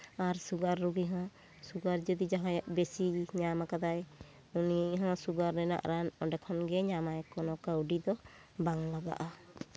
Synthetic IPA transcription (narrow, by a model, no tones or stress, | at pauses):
aɾsuɡaɾːuɡiɦɔ̃ | suɡaɾd͡ʒɔd̪id͡ʒaɦãjaʔbesiɲamakad̪aj | uniɦɔ̃suɡaɾnɛna̰ʔɾanɔɖɛkʰɔnɡɛɲamajkɔnɔkawɖid̪ɔ | baŋlaɡa̰ʔa